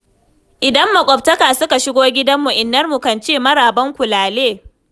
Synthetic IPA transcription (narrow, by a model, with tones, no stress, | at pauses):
ʔɪ˨dɐ˦mːɐ˨kʷʼɔ˨p̚tɐ˦kaː˨sʊ˦ka˨ʃɪ˦ɡʷoː˦ɡʲɪ˦dɐ˦mːʊ˨ʔɪ˨nːɐ˦rmu˨kɐ˨nt͡ʃeː˦˨mɐ˦ɽaː˨bɐ˦ŋkʷʊ˨laː˨leː˦˨